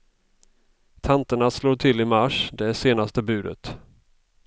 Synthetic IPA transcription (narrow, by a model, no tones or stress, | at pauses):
t̪ʰant̪əɳasloːʈʰɪlɪmaʂd̪ɛæʂeːnast̪əbʉ̟ːd̪ə̰t̪